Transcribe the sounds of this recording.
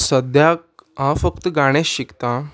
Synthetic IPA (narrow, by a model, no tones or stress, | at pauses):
səd̪jakɦãfəkt̪əɡaɽ̃esɕikt̪ã